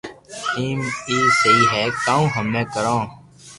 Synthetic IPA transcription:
tiːmiːsəiːɦɛːkãːũːɦəmẽːkəɾãː

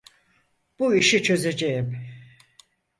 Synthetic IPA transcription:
b̥uiʃit͡ʃʰø̞ze̞d͡ʒejim

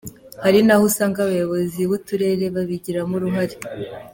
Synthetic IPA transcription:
haɾinahusaːŋɡaβajo̞βo̞ziβutuɾe̞ːɾe̞βaβiɟiɾamuɾuɦaɾe

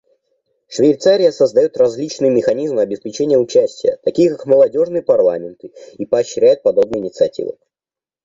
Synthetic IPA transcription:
ʂvʲejt̪saɾʲɪjəsəzd̪ɐjot̪rɐzʲlʲit͡ɕnɨjmʲɪxɐnʲizmɨɐbʲɪspʲɪt͡ɕenʲɪjəʊt͡ɕæsʲtʲɪjə̰t̪ɐkʲijəkakməlˠɐdʲo̞ʐnɨjəpɐrlˠa̰mʲɪnt̪ɨipɐɐɕːɾʲæjʊt̪̚pɐd̪o̞b̚nɨjɪnʲɪt̪sɨɐtʲḭvɨ̰

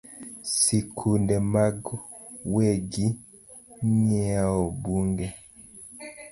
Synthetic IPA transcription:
sikʰundɛmaɡweɡi | ɲiaɔbuŋɡɛ

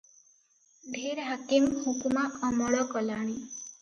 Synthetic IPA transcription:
ɖʱeɾɦakimhukumaʔɔmɔɭɔkɔlaɽ̃i

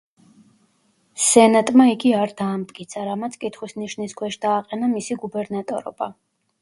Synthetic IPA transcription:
sɛnat̪ʼmaiɡiaɾd̪aːmt̪ʼkʼit̪sʰaɾamat̪sʰkʼit̪ʰχwisniʃniskʰwɛʃd̪̥aːqʼɛnamisiɡubɛɾnat̪ʼɔ̰ɾɔ̰ba̰

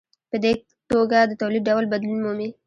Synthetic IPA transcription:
pəd̪e | t̪oɡad̪ət̪awlid̪ɖawlbad̪lunmumi

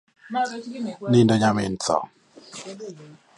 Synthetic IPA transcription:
nɪndɔɲamɪn̩t͡sɔ̰

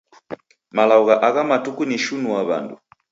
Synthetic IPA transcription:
malauɣaʔaɣamatukuniʃunuwaβa̰ndṵ

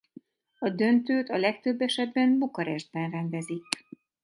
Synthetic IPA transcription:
ɒd̪ø̞nt̪øːt̪ɒlɛk̚t̪ø̞bːɛʃɛd̪bɛnbukɒɾɛʒd̪̚bɛnrɛnd̪ɛzik

